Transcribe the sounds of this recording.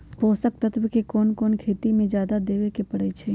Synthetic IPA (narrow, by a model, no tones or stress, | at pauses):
poːsək̚t̪ət̪ʰbəkekɔːnkɔːnkʰeːt̪imẽd͡ʒjaːd̪ad̪eːʋekepɐɽet͡ʃʰe